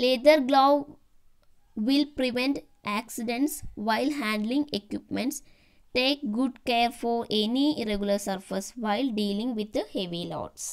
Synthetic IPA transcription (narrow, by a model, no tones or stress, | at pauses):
leʈəɾɡloː | ʋɪlpɾiʋẽɳʈ | ʔæksiɖẽɳʈsʋaɪlɦæ̃ːɳɖlĩŋɡekjɪpmẽɳʈs | ʈeːk̚ɡʊɖkeːɾfɔːɾeniɾeɡjləɾsɐɾfəsʋaɪlɖiːlĩŋɡʋɪd̪̚d̪əheʋilɔ̰ːʈs